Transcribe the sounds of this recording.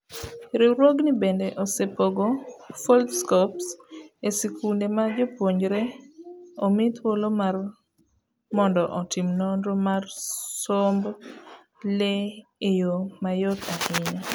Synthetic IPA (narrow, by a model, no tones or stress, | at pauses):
ɾɪɾwoɡnibendeʔosepoɡofɔldskɔpsesikʰundemad͡ʒopwoɲɾe | omɪt̪wolomar | mɔndɔʔɔtɪmnonɾomarsomb | leejomajot̪ʰahɪɲa